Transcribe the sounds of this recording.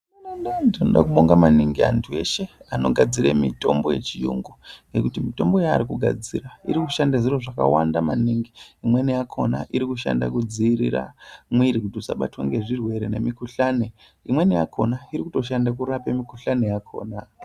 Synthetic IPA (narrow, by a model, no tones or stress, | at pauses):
andatinoɗa̰kuɓoŋɡamaniŋɡia̰ntʰue̞ʃe̞ano̞̰ɡʱad͡ziɾemito̞mbo̞je̞t͡ʃijuŋɡuŋɡe̞kutimito̞mbo̞jaːɾikuɡʱa̰d͡ziraiɾikuʃandaziroʐaka̰wandamaniŋɡiimwe̞nijakʰo̞na̰ʔiɾikuʃa̰nda̰kud͡ziiɾḭɾa̰mwirikudʱusa̰ɓatwa̰ŋɡe̞ʐirwe̞ɾene̞mikuɬane | imwe̞neja̰kʰo̞naiɾikuto̞ʃandakuɾapemikuɬanejakʰo̞̰ːna